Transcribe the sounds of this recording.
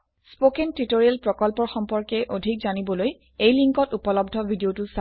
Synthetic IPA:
spokentitoɹiɛlpɹɔkɔlpɔɹxɔmpɔɹkɛʔodʱikzanibɔloj | ejliŋkɔtupɔlɔbdʱɔbʱidiotusa

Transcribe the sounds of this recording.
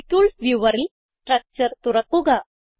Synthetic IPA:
kuɭsʋjuʋəɾil | sʈɾak̚t͡ɕəɾt̪uɾəkuɡa

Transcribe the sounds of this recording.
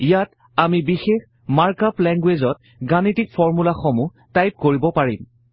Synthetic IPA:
ijat | amibixex | maɹkaplɛŋɡwezɔt̚ | ɡanitik̚fɔɹmulaxɔmu | tajp̚koɹibɔpaɹim

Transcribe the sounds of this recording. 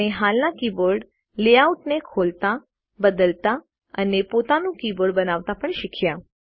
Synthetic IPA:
eɦalnakibəɾɖ | leauʈnekʰolt̪a | bəd̪əlt̪a | ənepot̪anũkibəɖbənaʋt̪apəɳʃikʰja

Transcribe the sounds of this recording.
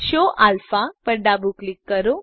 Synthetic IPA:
ɕoʔʔalfapəɾɖabuklikːəɾo

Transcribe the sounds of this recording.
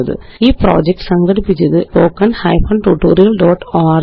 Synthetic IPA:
ɐðɨ̰ | iːproːd͡ʑek̚ʈɨ̥sɐŋɡɐɽipːit͡ɕʲːɐðɨpoːkːɐnhɐ̰jfʰɐɳʈuʈːoːɾijɐlɖoːʈːaːr

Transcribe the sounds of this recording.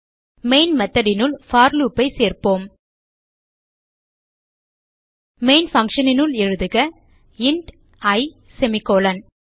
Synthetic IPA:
meɪnmɐt̪ːɐɾɪnɯɭfaːɾluːpːɐɪseːɾpoːm | meːnfɐŋkʂɐnɪnɯlɛɻɯðɯɣɐ | ɪɳʈ | ɐɪ | sɛmɪkoːlɐn

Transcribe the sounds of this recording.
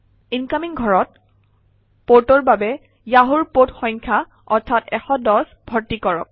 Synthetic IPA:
inkamiŋɡʱɔɹɔt̚ | potɔɹbabɛ | jaɦuɹpotxɔɲkʰa | ɔɹtʰatɛxɔdɔs | bʱɔɹtikɔɹɔ̰k̚

